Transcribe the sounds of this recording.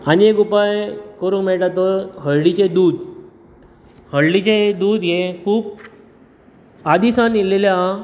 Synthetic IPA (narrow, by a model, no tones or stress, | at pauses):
aniekupajkəɾuːnmɛɭʈat̪oɦəɭlit͡ɕed̪uːd̪ | həɭlit͡ɕed̪uːd̪jekʰuːb̚ | ad̪isãnelelja